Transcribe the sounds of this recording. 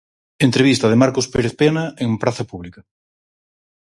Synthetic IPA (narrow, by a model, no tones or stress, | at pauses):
ent̪ɾeβist̪ɐð̞emaɾkospeɾeθpenaeŋpɾaθɐpuβlikɐ